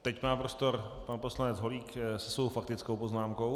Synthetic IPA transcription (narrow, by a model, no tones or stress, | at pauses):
t̪ɛcmaːpɾost̪o̞ɾpanposlanɛd͡zɦo̞liːksɛsvowfak̚t̪ɪt͡skowpoznaːmkow